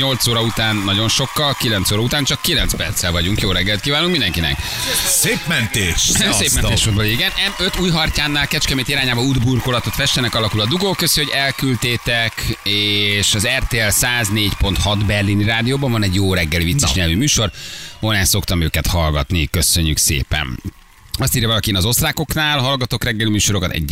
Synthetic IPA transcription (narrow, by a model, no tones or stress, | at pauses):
ɲo̞lt̪soːɾɒut̪aːnːɒɟo̞nʃo̞kːɒlkilɛnt̪soːɾɒut̪aːnt͡ʃɒkːilɛnt̪spɛrt̪sɛlvɒɟuŋkjoːɾɛɡːɛlt̪kiːvaːluŋkmind̪ɛŋkinɛ̰k | seːpmɛnt̪eːʃseːppmɛneːʃfod̪boliiɡɛnɛnø̞t̪uːjɦɒrcaːnːaːlkɛt͡ʃkɛmeːt̪iɾaːɲaːbɒud̪burkolɒt̪o̞t̪fɛʃt̪ɛnɛkɒlɒkulɒd̪uɡokøsoɟɛlkylt̪eːt̪ɛkeʃɒzɛrt̪eːɛlsaːzneːcpo̞nt̪hɒd̪bɛrliniɾaːd̪ijoːbɒɱvɒnɛɟjoːɾɛɡːɛlivit̪sːɛʃɲɛlvimyːʃo̞rhonɛso̞kt̪ɒmøːkɛt̪hɒlɡɒ̰t̪nikø̞søɲːyksḛːpɛ̰n | ɒst̪iːɾjɒvɒlɒkieːnɒzo̞st̪raːko̞knaːlɦɒlɡɒt̪o̞krɛɡːɛlimyːʃo̞ɾo̞kɒt̪ɛ̰ɟːɛ